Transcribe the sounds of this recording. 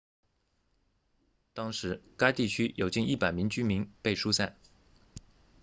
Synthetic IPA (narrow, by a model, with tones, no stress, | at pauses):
t̪ɑ˥ŋʂɻ̩˧˥ka˥ɪt̪i˥˩t͡ɕʰy˥jo˨˩ʊt͡ɕi˥˧ni˥˩pa˨˩ɪmi˧˥ŋt͡ɕy˥mi˧˥ŋpe˥˩ɪʂu˥sa˥˩n